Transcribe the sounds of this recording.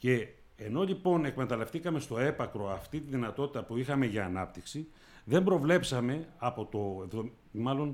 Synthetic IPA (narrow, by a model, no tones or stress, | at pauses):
ce̞ː | no̞ʎipo̞ne̞kme̞t̪ɐle̞ft̪ikɐme̞st̪o̞e̞pɐkɾo̞ɐft̪it̪iðinɐt̪o̞t̪i̥t̪ɐpuixɐme̞ʝɐːnɐpt̪iksi | ðe̞mbɾo̞vle̞psɐme̞ɐpo̞t̪o̞vo | mɐlo̞n